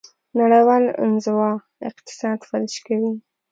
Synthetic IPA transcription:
naɽawɑlɪ̰nzɪwɑ | ɪ̰qt̪ɪ̥sɑd̪faɾɪʃkawi

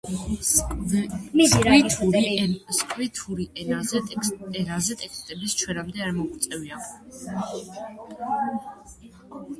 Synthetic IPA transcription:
it̪ʰuɾskʰʼwit̪ʰuɾiʔɛnazɛɛnazɛt̪ʼɛkst̪ʼɛbist͡ʃʰwɛɾamd̪ɛaɾmɔkt̪sʼɛviakʰ

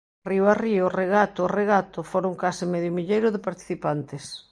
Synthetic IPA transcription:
riwariʊreɣat̪oːreɣat̪ofoɾoŋkasɪmɛðjʊmiʎejɾʊðɪpaɾt̪i̥θipant̪ɪs

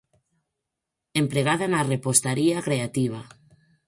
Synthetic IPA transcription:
empɾeɣ̞aðanarepost̪aɾiakɾeat̪iβ̞a

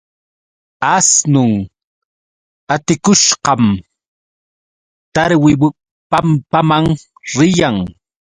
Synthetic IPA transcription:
asnʊŋ | at̪ɪkʊʃqɑm | t̪aɾwɪwɪ | pampamaŋ | ɾɪjaŋ

